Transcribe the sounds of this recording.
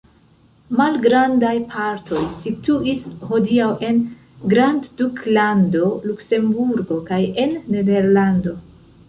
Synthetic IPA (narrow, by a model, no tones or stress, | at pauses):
malɡɾandajpʰaɾtʰo̞jsituʔisho̞diawʔe̞n | ɡɾandd̥uklando̞lukse̞mbuɾɡo̞kaje̞nːe̞de̞ɾlando̞